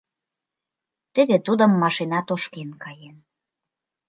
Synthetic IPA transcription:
t̪ə̆βet̪ud̪ə̆mːɑʃinɑt̪oʃkenkɑjen

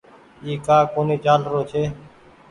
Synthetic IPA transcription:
iːkaːkoːniːt͡ʃaːlɾoːt͡ʃʰeː

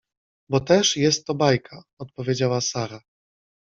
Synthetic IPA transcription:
bɔt̪ɛʂjɛst̪ːɔbajkʰaɔt̪̚pɔvʲjed͡ʑawasaɾa

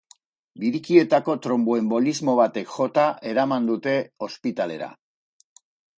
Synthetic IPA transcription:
biɾikie̞t̪ako̞t̪ɾo̞mboe̞mbo̞lizmo̞β̞at̪e̞kʝo̞t̪aʔe̞ɾamand̪ut̪e̞o̞spit̪ale̞̰ɾa̰

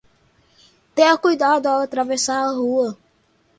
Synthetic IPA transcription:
t̪ẽɐkujd̪ad̪ʊaat̪ɾavesaɾɐɦuɐ

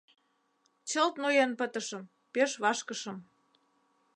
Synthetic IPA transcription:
t͡ɕəlt̪nujenpət̪əʃə̆m | peʃβɑʃkəʃə̆m

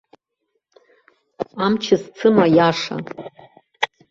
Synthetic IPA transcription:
amt͡ʃʰɪzt͡sʰɨmajaʂa̰

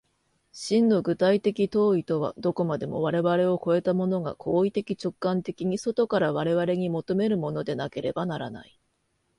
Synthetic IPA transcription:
ɕĩnːo̞ɡɯ̟t̪ait̪e̞kʲit̪o̞ːit̪o̞βa̰d̪o̞ko̞mad̪e̞mo̞̰βaɾe̞βaɾe̞o̞ko̞e̞t̪amo̞no̞ɡa̰kʰo̞ːit̪e̞kʲit͡ɕo̞kːãnt̪e̞kʲiɲ̟iso̞t̪o̞kaɾaβaɾe̞βaɾe̞ɲ̟imo̞t̪o̞me̞ɾɯ̟mo̞no̞d̪e̞nake̞ɾe̞banaɾana̰i

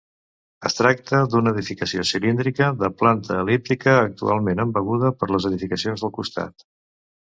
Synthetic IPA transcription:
ə̰st̪ɾak̚t̪əd̪unəːðifikəsiosilind̪ɾikəðəplant̪ʰəːlip̚t̪ikəːk̚t̪ṵalˠmenəmbəɣuðəpəɾləzəðifikəsionzðəlˠkust̪a̰t̪

